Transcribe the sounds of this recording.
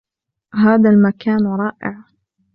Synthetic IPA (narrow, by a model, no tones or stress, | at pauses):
ɦaːðalmakaːnɾˤɑːʔɪ̰ʕ